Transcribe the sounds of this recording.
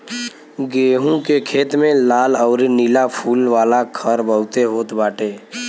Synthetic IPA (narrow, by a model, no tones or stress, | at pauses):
ɡeːɦũkekʰeːt̪mẽlaːlɔːɾinilapʰuːlʋaːlakʰəɾbəʊt̪eɦoːt̪baːʈeː